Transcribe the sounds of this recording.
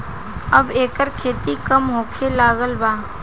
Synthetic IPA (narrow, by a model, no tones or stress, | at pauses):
ɐbeːkəɾkʰeːt̪ikəmɦoːkʰelaːɡəlbaː